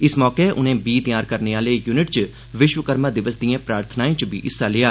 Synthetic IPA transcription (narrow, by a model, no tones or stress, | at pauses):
ɪsmɔːkeːʔʊ̰nẽːbiːt̪ɪjaːɾkəɾneːaːleːjuːnɪʈt͡ʃ | ʋɪʃwəkəɾmaːd̪ɪʋəsd̪iːãːpɾaːɾt̪ʰnaːẽːt͡ʃbḭːʔɪsːaːlɪjaː